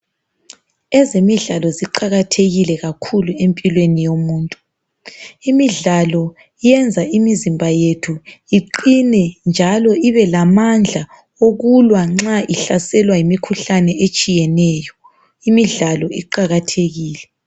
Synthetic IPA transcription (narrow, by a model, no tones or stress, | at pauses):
ɛzemiɮalɔziǃaɣatʰeɣilɛɣakʰuluempʼilwenijomuːntʼu | imiɮalɔ | ijɛnd͡zʱaimizimbʱajetʰuiǃinɛnd͡ʒʱalɔiβɛlamand͡ɮʱa | oɣulwaŋ͡ǁaʔiɬasɛlwajimikʰuɬanɛʔet͡ʃʼijɛnɛːjɔ | imiɮalɔiǃaɣatʰeɣiːlɛ